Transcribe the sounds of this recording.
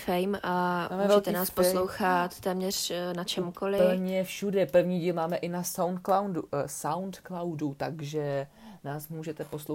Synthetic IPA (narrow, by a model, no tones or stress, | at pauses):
fɛjmʔamaːmɛvt̪ɛnaaːsposlowxat̪t̪ɛːmɲɛr̥nat͡ʃɛmukolɪl̩ɲɛfʃudɛpr̩vɲiːɟiːlmaːmɛʔɪnasawnt̪̚klawdusawnt̪klawdut̪aɡʒɛnaːsmuːʒɛt̪ɛpo̞slo